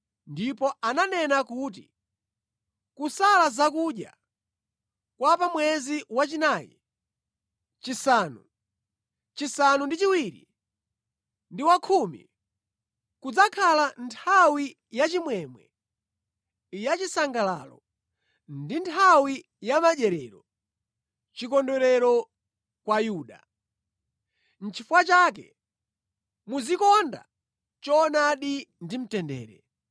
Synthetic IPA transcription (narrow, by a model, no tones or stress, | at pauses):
ndipɔananɛnakuːt̬ḭ | kusalazakuːɗja̰ | kwapamwɛziwat͡ʃinaːjḭ | t͡ʃisaːnṵ | t͡ʃisanundit͡ʃiwiːɾḭ | ndiwakʰumḭ | kud͡zakʰalantʰawi | jat͡ʃimwɛmwɛ̰ | ijat͡ʃisaŋɡala̰ːlɔ̰ | ndintʰawi | jamaʄɛɾɛːɾɔ | t͡ʃikɔndɔɾɛɾɔ | kwajuːɗa̰ | n̩t͡ʃʰifuwat͡ʃaːk̬ɛ̰ | muzikɔnda̰ | t͡ʃɔːnaɗindim̩tɛndɛ̰ːɾɛ̰